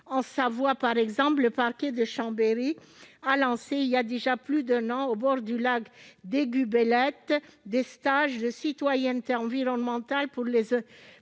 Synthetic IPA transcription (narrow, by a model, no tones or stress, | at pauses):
ɑ̃savwapaʁɛɡzɑ̃plləpaʁkʲed̪əʃɑ̃beʁi | alɑ̃seiljad̪eʒaplyd̪ɛ̃nɑ̃obɔʁd̪ylaɡd̪eɡʲybelɛt̪d̪est̪aʒd̪əsit̪wajɛnt̪eɑ̃viʁɔnmɑ̃t̪alpuʁlezø